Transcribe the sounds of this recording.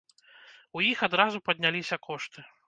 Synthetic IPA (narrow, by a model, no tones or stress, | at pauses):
ujixad̪ɾazupɐd̪ʲnʲalʲisʲɐkʰɔʂt̪ɨ